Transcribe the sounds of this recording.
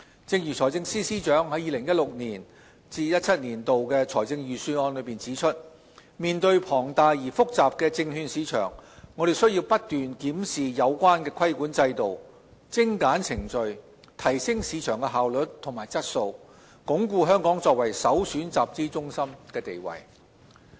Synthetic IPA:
t͡sɪ˧ŋjyː˨˩t͡sʰɔː˨˩jt͡sɪ˧ŋsiː˥siː˥t͡ʃœː˨˥ŋɦɐ˨˥jiː˨˧lɪ˨˩ŋjɐ˥t̚lʊ˨k̚niː˨˩n | t͡siː˧jɐ˥t̚t͡sʰɐ˥t̚niː˨˩nt̪o˨wkɛː˧t͡sʰɔː˨˩jt͡sɪ˧ŋjyː˨˩syː˧ɔː˧nlɵ˨˧ɥpiː˨˩nt͡siː˨˥t͡ʃʰɵ˥t̚ | miː˨nt̪ɵ˧ɥpʰɔː˨˩ŋt̪aː˨jjiː˨˩fʊ˥k̚t͡saː˨p̚kɛː˧t͡sɪ˧ŋhyː˧nsiː˨˧˥t͡ʃʰœ̰ː˨˩ŋːɔ˨˧ɾe˨jsɵ˥ɥji˧wpɐ˥t̚t̪yː˨nkiː˨˥msiː˨jɐ˨˧wkʷaː˥nkɛː˧kʰɐ˥jkuː˨˥nt͡sɐ˧jt̪o˨w | t͡sɪ˥ŋkaː˨˥nt͡sʰɪ˨˩ŋt͡ʃɵ˨ɥ | t̪ʰɐ˨˩jsɪ˥ŋsiː˨˧t͡ʃʰœː˨˩ŋkɛ˧ɦaː˨wlɵ˨˥tt̪ʰʊ˨˩ŋmaː˨˩jt͡sɐ˥t̚so˧w | kʊ˨˥ŋkuː˧ɦœː˥ŋkɔː˨˥ŋt͡sɔː˧k̚wɐ˨˩jsɐ˨˥wsyː˨˥nt͡saː˨p̚t͡siː˥t͡sʊ˥ŋsɐ˥mkɛː˧t̪e˨jwɐ̰˨˩j

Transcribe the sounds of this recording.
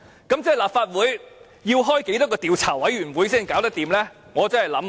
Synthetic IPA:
kɐ˨˥mt͡sɛ˥˩laː˨p̚faː˧t̚wuː˨˥j | jiː˧wɦɔː˥jke˨˥jt̪ɔː˥kɔː˧t̪iː˨˧wt͡sʰaː˨˩wɐ˨˥jɥyː˨˩nwuː˨˥jsiː˥ŋkaː˨˥wt̪ɐ˥k̚t̪iː˨mlɛː˥ | ŋɔː˨˧t͡sɐ˥nhɐ˨jlɐ˨˥m

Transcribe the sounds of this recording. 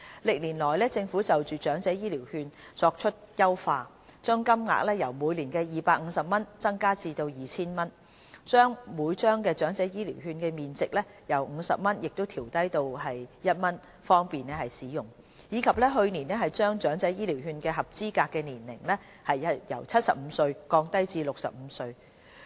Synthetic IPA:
lɪ˨k̚liː˨˩nlɔː˨˩jlɛː˥t͡sɪ˧ŋfuː˨˥t͡sɐ˨wt͡ʃyː˨t͡ʃœː˨˥ŋt͡sɛː˨˥jiː˥liː˨˩whyː˧nt͡sɔː˧k̚t͡ʃʰɵ˥t̚jɐ˥wfaː˧ | t͡ʃœː˥ŋkɐ˥mŋa̰ː˨k̚lɛ˥jɐ˨˩wmuː˨˧jliː˨˩nkɛː˧jiː˨˩paː˧k̚ŋ̩˨˧˦sɐ˨p̚mɐ˥nt͡sɐ˥ŋkaː˥t͡siː˧t̪o˧wjiː˨t͡sʰiː˥nmɐ˥n | t͡ʃœː˥ŋmuː˨˧˥jt͡ʃœː˥ŋkɛː˧t͡ʃœː˨˥ŋt͡sɛː˨˥jiː˥liː˨˩wɦyː˧nkɛː˧miː˨nt͡sɪ˨k̚lɛ˥ | jɐ˨˩wŋ̩ː˨˧˥sɐ̰˨p̚mɐ˥njɪ˨k̚t̪o˥wt̪ʰiː˨˩wt̪ɐ˥jt̪o˧wɦɐ˨jjɐ˥t̚mɐ˥n | fɔː˥ŋpiː˨nɛ˥hɐ˨jsiː˨˥jʊ˨˩ŋ | jiː˨˧kʰɐ˨p̚lɛ˥ɦɵ˧ɥniː˨˩nɛ˥ɦɐ˨jt͡ʃœː˥ŋt͡ʃœː˨˥ŋt͡sɐ˨˥jiː˥liː˨˩whyː˧nkɛ˧ɦɐ˨˩p̚t͡siː˥kaː˧kːɛː˧niː˨˩nlɪ˨˩ŋlɛ˥ | hɐ˨jɐ˥jɐ̰˨˩wt͡sʰɐ˥t̚sɐ̰˨p̚m̩˨˧sɵ˧ɥkɔː˧ŋt̪ɐ˥jt͡siː˧lʊ˨k̚sɐ̰˨p̚m̩˨˧sɵ˧ɥ

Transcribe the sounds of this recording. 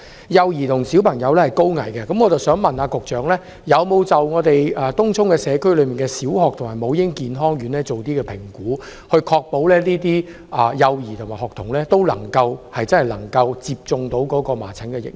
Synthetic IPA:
jɐ˨wjiː˨˩t̪ʰʊ˨˩ŋsi˨˥wpʰɐ˨˩ŋjɐ˨˧wlɛ˥hɐ˨jko˥wŋɐ̰˨˩jkɛ˧kɐ˨˥mŋɔ˨˧t͡sɐ˨˩wsœː˨˥ŋmɐ˨naː˨˧kʊ˨k̚t͡ʃœː˨ŋlɛː˥ | jɐ˨˧wmo˨˧wt͡sɐ˨wŋɔː˨˧t̪e˨jɐː˨˩t̪ʊ˥ŋt͡sʰʊ˥ŋkɛː˧sɛː˨˧kʰɵ˥ɥlɵ˨˧ɥmiː˨˩nkɛ˧siː˨˥whɔː˨k̚t̪ʰmaː˨˩jmo˨˧wjɪ˥ŋkiː˨nɦɔː˥ŋjyː˨˧nlɛː˥t͡so˨wt̪iː˥kɛː˧pʰɪ˨˩ŋkuː˨˥hɵ˧ɥkʰɔː˧k̚po˨˥wlɛː˥niː˥t̪iː˥ | ʔɐ˨jɐ˨˧wjiː˨t̪ʰʊ˨˩ŋmaː˨˩jhɔː˨k̚t̪ʰʊ˨˩ŋlɛː˥t̪o˥wlɐ̰˨˩ŋkɐ˧whɐ˨jt͡sɐ˥nhɐ˨jlɐ˨˩ŋkɐ˧wt͡siː˨p̚t͡sʊ˧ŋt̪o˨˥wkɔː˨˧˥kɔː˧ma̰ː˨˩t͡sʰɪ˨˥ŋkɛ˧jɪ̰˨˩k̚

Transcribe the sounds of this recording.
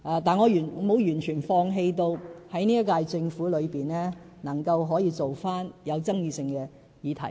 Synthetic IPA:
ʔaː˨˧t̪aː˨nŋɔː˨˧jyː˨˩nː˨˧mo˨˧wjyː˨˩nt͡ʃʰyː˨˩nfɔː˧ŋɦe˧jt̪o˧whɐ˨˥jniː˥ɐ˥t̚kaː˧jt͡sɪ˧ŋfuː˨˥lɵ˨˧ɥpiː˨nlɛː˥ | nɐ˨˩ŋkɐ˧wɦɔː˨˥jiː˨˧t͡so˨wfaː˥njɐ˨˧wt͡sɐ˥ŋjiː˧sɪ˧ŋkɛː˧ | jiː˨˧t̪ʰɐ˨˩j

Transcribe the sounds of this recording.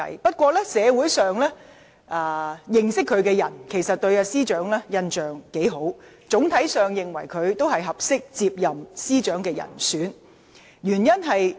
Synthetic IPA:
ɐ̰˨˥jpɐ˥t̚kʷɔː˧lɛː˥sɛː˨˧wu˨˥jsœː˨ŋlɛː˥ | ʔaː˨˧jɪ˨ŋsɪ˥kʰːɵ˨˧ɥkɛː˧jɐ˨˩nkʰe˨˩jsɐ˨t̚t̪ɵ˧ɥɐː˧siː˥t͡ʃœː˨˥ŋlɛː˥jɐ˧nt͡ʃœː˨˩ŋke˨˥jɦo˨˥w | t͡sʊ˨˥ŋt̪ʰɐ˨˥jsœː˨ŋjɪ˨ŋwɐ˨˩jkʰɵ˨˧ɥt̪o˥whɐ˨jɦɐ˨p̚sɪ˥k̚t͡siː˧p̚jɐ˨msiː˥t͡ʃœː˨˥ŋkɛː˧jɐ̰˨˩nsyː˨˥n | jyː˨˩njɐ˥nɦɐ˨j

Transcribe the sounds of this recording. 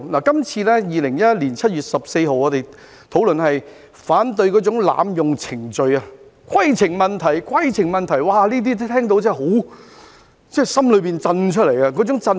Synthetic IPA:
laː˨˩kɐ˥mt͡sʰiː˧lɛː˥jiː˨lɪ˨˩ŋjɐ˥liː˨˩nt͡sʰɐ˥t̚ɥyː˨˩t̚sɐ˨p̚se˧jɦo˨wɔː˨˧ɾe˨j | t̪ʰo˨˥wlɵ˨nhɐ˨j | faː˨˥nt̪ɵ˧ɥkɔː˨˥t͡sʊ˨˥ŋla̰ː˨˧mjʊ˨ŋt͡sʰɪ˨˩ŋt͡ʃɵ˨ɥɐ˧kʷʰɐ˥jt͡sʰɪ˨˩ŋmɐ˨nt̪ʰɐ˨˩jkʰɐ˥jt͡sʰɪ˨˩ŋmɐ˨nt̪ʰɐ˨˩jwaː˨liː˥t̪̬iː˥t̪ʰɛː˥ŋt̪̬o˧˥wt͡sɛː˥˨˩ɦo˨˥w | t͡sɛː˥˩sɐ˥mlɵ˨˧ɥpiː˨nt͡sɐ˧nt͡ʃʰɵ˥t̚le˨˩jɐ˧kɔː˨˥t͡sʊ˨˥ŋt͡sɐ˧n

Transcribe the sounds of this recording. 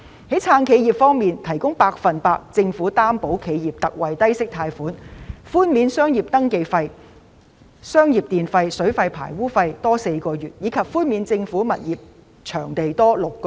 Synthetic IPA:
hɐ˨˥jt͡sʰaː˧nkʰe˨˧jiː˨p̚fɔː˥ŋmiː˨nt̪ʰɐ˨˩jkʊ˥ŋpaː˧k̚fɐ˨˩npaː˧k̚t͡sɪ˧ŋfuː˨˥t̪aː˥mpo˨˥wkʰe˨˧jjiː˨˩p̚t̪ɐ˨k̚wɐ˨jt̪ɐ˥jsɪ˥k̚t̪ʰaː˧jfuː˨˥nfuː˥nmiː˨˧nsœː˥ŋjiː˨p̚t̪ɐ˥ŋke˧jfɐ˧j | sœː˥ŋjiː˨˩p̚t̪iː˨nfɐ˧jsɵ˨˥ɥfɐ˧jpʰa̰ː˨˩jwuː˥fɐ˧jt̪ɔː˥se˧jkɔː˧jyː˨˩t̚jiː˨˥kʰɐ˨p̚fuː˥nmiː˨˧nt͡sɪ˧ŋfuː˨˥mɐ˨t̚jiː˨˩p̚ | t͡ʃʰœː˨˩ŋt̪e˨jt̪ɔː˥lʊ˨kː

